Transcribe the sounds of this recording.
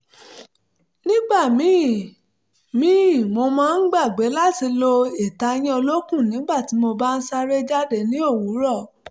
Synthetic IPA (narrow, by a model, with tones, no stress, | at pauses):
nĩ˦ɡ͡ba˦˨mĩ˨˦˨ | mĩ˦˨mo˧mãː˦˧n̩˦ɡ͡ba˦˨ɡ͡be˨˦la˦ti˧lo˧e˨ta˨˧˦j̃ĩ˦o˧lo˦kũ˦˨nĩ˨˦ɡ͡ba˦˨ti˨˦mo˧ba˦n̩˦sa˦ɾe˦d͡ʒa˦de˧˨nĩ˦o˦˨wu˨˦ɾɔ˦˨